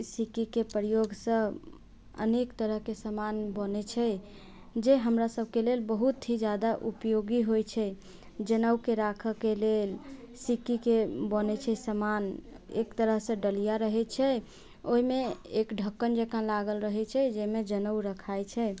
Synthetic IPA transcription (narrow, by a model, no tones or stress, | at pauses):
sikikepəɾjoɡsə̃ | ə̰nekt̪əɾəɦkesəmanbənɛt͡ʃʰɛ | d͡ʒeɦəmɾasəb̚ʱkelelbəɦut̪ʰːɦid͡ʒad̪aʔupjoɡiɦojt͡ʃʰɛ | d͡ʒənəwkeɾakʰəkelel | sikikebənɛt͡ʃʰɛsəmanḛkt̪əɾəɦsə̃ɖəlijaɾəɦɛt͡ʃʰɛ | oɦimeekɖʱəkːənd͡ʒekãlaɡəlɾəɦɛt͡ʃʰɛd͡ʒɛmed͡ʒənəwɾəkʰajt͡ʃʰɛ